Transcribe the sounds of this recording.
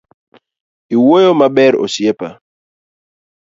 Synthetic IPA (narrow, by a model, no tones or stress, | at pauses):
iwojomaɓɛɾo̰sjepa